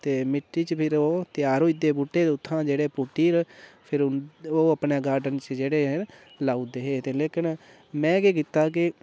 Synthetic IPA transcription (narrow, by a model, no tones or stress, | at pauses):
t̪eːmɪʈːiːt͡ʃpʰɪɾoːt̪ɪjaːɾoːɪd̪eːpuʈːeːt̪ʊt̪ʰːãːd͡ʒeːɽeːpuʈːiːɾpʰɪɾoːəpneːɡaːɾɖənt͡ʃd͡ʒeːɽeː | laːud̪eːɦeːt̪eːleːkɪn | mɛ̃ːkeːk̬ɪt̪ːaːk̬ɪ